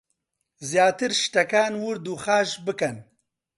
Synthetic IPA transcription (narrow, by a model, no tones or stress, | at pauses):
zjaːt̪ɪɾʃʈɐkaːnwuɾd̪uxaːʃbəkɐn